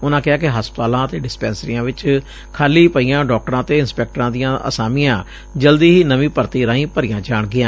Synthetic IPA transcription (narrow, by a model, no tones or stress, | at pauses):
ʊnãːkɪaːkɪɦaːspət̪aːlãːət̪eːɖɪspɛːnsəɾijãːʋɪt͡ʃ | kʰaːliːpəijãːɖɔːk̚ʈəɾãːt̪eːɪnspɛːk̚ʈəɾãːd̪ɪjãːʔə̰saːmɪjãː | d͡ʒəld̪iːɦiːnəʋĩːpəɾt̪iːɾãːĩːpəɾɪjãːd͡ʒaːɳɡɪjãː